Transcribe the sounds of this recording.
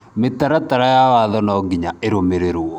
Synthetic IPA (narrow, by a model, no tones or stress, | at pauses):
metaɾataɾajawaðɔnɔɡiɲaeɾomeɾeɾwɔ